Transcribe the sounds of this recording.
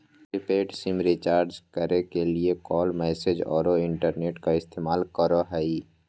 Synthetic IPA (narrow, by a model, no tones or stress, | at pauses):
ɾɪpeːʈsɪmɾɪt͡ʃaːɾd͡ʒkəɾekeliekɔːlmɛːsed͡ʒɔ̰ːɾoɪ̃ɳʈəɾneːʈkaɪst̪eːmaːlkəɾoɦɛi